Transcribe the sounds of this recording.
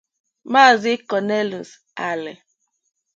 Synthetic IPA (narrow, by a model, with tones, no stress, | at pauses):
ma˦˨zɪ˦kɔ˨ne˦lu˨s | a˨lɪ̰˨